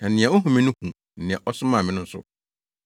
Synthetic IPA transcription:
nã˨nɪ̃˨ɛ˨ɔ˦ɦũ˨mɪ̃˦nʊ̃˦hũ˨ | n̩˨nɪ̃˨ɛ˨ʔɔ˦sʊ˦mã˦˨mɪ̃˦nʊ̃˦n̩˦sʊ̰˦

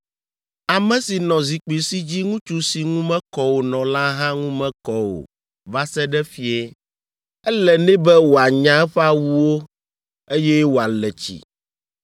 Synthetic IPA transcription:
a˨mɛ̃˨si˨nɔ̃˨zi˨k͡pi˨si˦d͡ʑi˦ŋũ˦t͡ʃu˦si˨ŋũ˦mɛ̃˦kɔ˦wo˨nɔ̃˨la˦ɦã˦ŋũ˦mɛ̃˦kɔ˦wo̰˨ | va˦sɛ˦ɖɛ˦fi˦ɛ˦ | ɛ˦lɛ˨nɛ̃˦bɛ˦wo˨a˨ɲã˦ɛ˦ɸa˦wu˦wo˦ | e˦jɛ˦wo˨a˨lɛ˨t͡ɕḭ˨

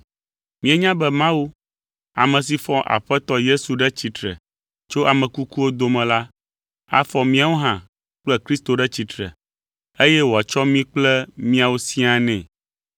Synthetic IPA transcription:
mĩ˦ɛ˦ɲã˦bɛ˦mã˦wu˦ | a̰˨mɛ̃˨s̬i˨fɔ˦ʔa̰˨ɸɛ˦t̪ɔ˦je˦su˨ɖɛ˦t͡ɕi˨t̪ɾɛ̰˨ | t͡ʃo˦a˨mɛ̃˨ku˦ku˦wo˦d̪o˨mɛ̃˨la˦ | a̰˦fɔ˨mĩ˦a˨˦wo˦ɦã˨ | k͡plɛ˦kɾi˦st̪o˨ɖɛ˦t͡ɕi˨t̪ɾɛ̰˨ | e˦jɛ˦wo˨a˨t͡ʃɔ˦mĩ˦k͡plɛ˦mĩ˦a˨wo˦si˦a˨nɛ̰̃˨

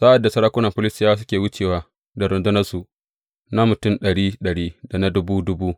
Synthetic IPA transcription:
sa˦ʔa˨dːa˨sɐ˦ɾaː˦kʷʊ˦nɐ˨mɸʊ˦lɪ˦sɪ˦jaː˦s̬ʊ˦kʲeː˨wʊ˦t͡ʃeː˨waː˦ | da˨ɾʊ˨ndʊ˦nɐ˦su˨ʔ | na˦mʊ˨tʊ˦mɗɐ˨ɽiː˦ɗɐ˨ɽiː˦da˨na˦dʊ˦buː˦dʊ˦buː˦

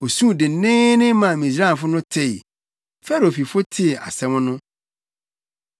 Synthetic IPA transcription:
o˨sũ˦˨dɪ˨˦nɪ̃˦nɪ̃˦mã˨mĩ˨s̬ɾa˦˨fʊ˦nʊ̃˦tʰɪ˦˨ | fɛ˦˨ɾi˨o˨fi˨fʊ˦tʰɪ˦˨a̰˨sɛ̃˦mʊ̃˦nʊ̃˦

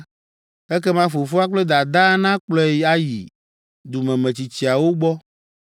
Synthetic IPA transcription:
ɛ˦kɛ˦mã˦fo˨fu˦a˦k͡ple˦d̪a˨d̪ã˦nã˦k͡plɔ˦ja˦jḭ˨ | d̪u˨mɛ̃˨mẽ˨t͡ɕi˨t͡ɕi˨a˨wo˦ɡ͡bɔ˦

